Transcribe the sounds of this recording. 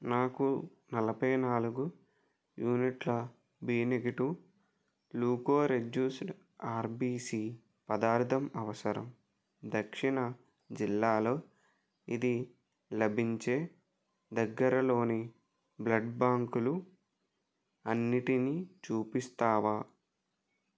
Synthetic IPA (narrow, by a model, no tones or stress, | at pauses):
naːku | nɐlɐbʱɐjnaːluɡu | juːniʈlɐ | biːneɡiʈu | luːkoːɾed͡ʒjuːsʈ | aːɾbiːsiː | pɐd̪aːɾt̪ʰɐmɐʋɐsɐɾɐ̰m | d̪ɐkʂiɳɐ | d͡ʒilːaːlo̞ː | id̪i | lɐbʱiɲt͡ʃe̞ː | d̪ɐɡːɐɾɐlo̞ːni | blɐɖbaːŋkulu | ɐnːiʈinit͡ʃuːpist̪aːʋaː